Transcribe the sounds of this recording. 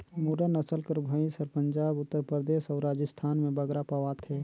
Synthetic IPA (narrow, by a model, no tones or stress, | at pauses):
muːɖanɐsəlkəɾbʱəĩsəɾpə̃ɲd͡ʒaːbʊt̪ːəɾpɾəɾd̪eːʃɔːɾaːd͡ʒəst̪ʰaːnmẽbɐɡɾapɐʋaːt̪ʰɦɛː